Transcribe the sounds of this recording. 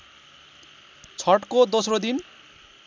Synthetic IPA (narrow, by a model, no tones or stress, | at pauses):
t͡sʰʌʈkod̪osrod̪in